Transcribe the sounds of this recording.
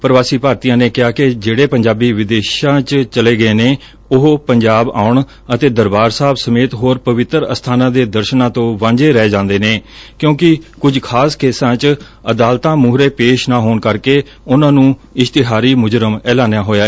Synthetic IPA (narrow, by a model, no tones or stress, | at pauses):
pəɾəʋaːsiːpaːɾt̪ijãːneːkɪaːked͡ʒeːɽeːpəɲd͡ʒaːbiːʋɪd̪eːʃãːt͡ʃt͡ʃəleːɡəeːneː | ʊɦpəɲd͡ʒaːba̰ːʊɳ | ət̪eːd̪əɾbaːɾsaːbsəmeːt̪ɦoːɾpəʋɪt̪ɾə̰st̪ʰaːnãːd̪eːd̪əɾʃənãːt̪õːʋãːɲd͡ʒeːɾɛːed͡ʒãːnd̪eːneːkjõːkɪkʊd͡ʒkʰaːskeːsãːt͡ʃ | əd̪aːlt̪ãːmuːɦɾeːpeːʃnaːɦoːɳkəɾkeː | ʊnãːnũːɪʃt̪ɪɦaːɾiːmʊd͡ʒɾəmɛːlaːnejaːɦoːjaːɛː